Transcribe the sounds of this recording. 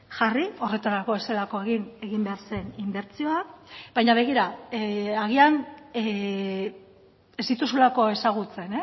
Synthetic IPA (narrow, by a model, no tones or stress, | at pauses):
ʝario̞re̞t̪aɾako̞βe̞se̞lako̞e̞ɣ̞ine̞ɣimbe̞aɾse̞nimbe̞ɾt͡sio̞akbajɲaβe̞ɣ̞iɾa | aɣian | ezd̪it̪usulako̞e̞saɣ̞ut͡se̞ne